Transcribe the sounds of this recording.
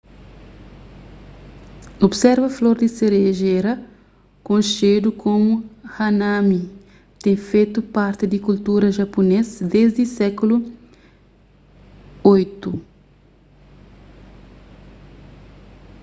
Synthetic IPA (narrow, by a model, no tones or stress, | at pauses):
obsɛɾvɐfloɾd̪iseɾeʒeɾɐ | kõʃed̪ukomuhanami | t̪ẽŋfejt̪upaɾt̪ɪd̪ikult̪uɾɐʒaponesd̪ezd̪isɛkulu | ojt̪u